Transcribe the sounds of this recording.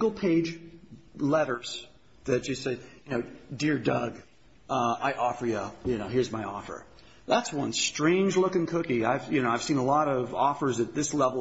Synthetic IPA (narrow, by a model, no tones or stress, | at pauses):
ɡl̩ˠpʰeɪd͡ʒ | lɛɾə˞z̥ | ðɨt̚ɨseɪjɨnoʊdɪɹdʌɡ | ʔʌaɪʔɔfə˞jəjɨnoʊɦɪɹzmaɪɔfə̰˞ | ðætswʌ̃nstɹ̥ẽɪ̃nd͡ʒlʊkɨ̃ŋkʰʊkiaɪvjɨñoʊaɪv̥sĩnəlɔɾʌvɔfə˞zɨt̪̚ðɪslɛvl̩ˠ